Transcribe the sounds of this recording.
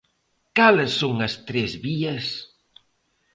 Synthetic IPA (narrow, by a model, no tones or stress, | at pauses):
kalɪsːoŋɐst̪ɾezβiɐs